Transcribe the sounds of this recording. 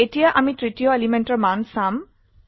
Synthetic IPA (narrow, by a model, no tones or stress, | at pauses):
etijaʔamitɹitijoelimenʈɔɹmansam